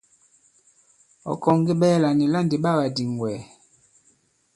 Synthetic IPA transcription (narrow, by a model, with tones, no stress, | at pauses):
ɔ̰˨kɔ˨ŋ˦ɡi˦ɓɛ˦la˨ni˨la˦˨nde˨ɓa˦˨ba˨di˨ŋ˨ɡwɛ˨